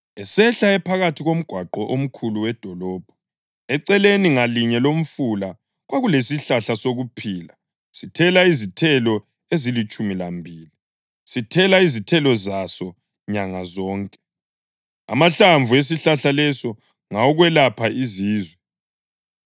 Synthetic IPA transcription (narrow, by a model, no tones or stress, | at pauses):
ɛsɛɬaɛpʰaɣatʰiɣom̩ɡ̥ʱwaǃɔʔom̩kʰuluwɛd̥ʱɔlɔːb̥ʱɔ | ɛǀɛleniŋaliɲɛlom̩fula | ɣwaɣulesiɬaɬasoɣupʰiːla | sitʰɛlaizitʰɛlɔ | ezilit͡ʃʼumilambʱiːli | sitʰɛlaizitʰɛlɔzasɔ | ɲaŋazɔːŋkʼɛ̥ | a̰maɬaɱvues̬iɬaɬalɛsɔ | ŋaɔɣwɛlapʰaiziːzwɛ